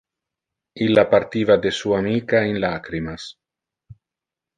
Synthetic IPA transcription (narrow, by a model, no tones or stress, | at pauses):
ilapaɾt̪iːvad̪esuamikaenlakɾimas